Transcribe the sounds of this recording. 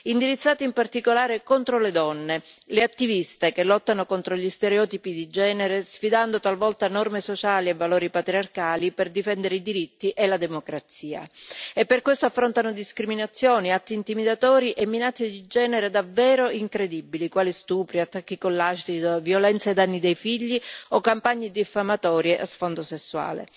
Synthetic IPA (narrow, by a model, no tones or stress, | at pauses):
ind̪iɾit̪sːaːt̪iimpart̪ikolaːɾekont̪ɾoled̪ɔnːeleat̪ːivist̪ekelːɔt̪ːanokont̪ɾoʎist̪eɾeɔːt̪ipid̪id͡ʒɛːneɾesfid̪and̪ot̪alvɔlt̪anɔrmesot͡ʃaːlievːaloːɾipat̪ɾiarkaːliperd̪ifɛnd̪eɾeid̪iɾit̪ːiʔelad̪emokɾat̪siːa̰epːerkːwest̪oafːɾont̪anod̪iskɾiminat̪sːjoːniat̪ːiːnt̪imid̪at̪ɔːɾiʔemːinat͡ʃːed̪id͡ʒɛːneɾed̪avːɛːɾoiŋkɾed̪ibːilikwaːlist̪uːpɾiat̪ːakːikolːat͡ʃt̪id̪vjolɛnt̪saed̪anːid̪ejfiʎːiokːampaɲːed̪ifːamat̪ɔːɾjeʔasfond̪osesːwa̰ːlḛ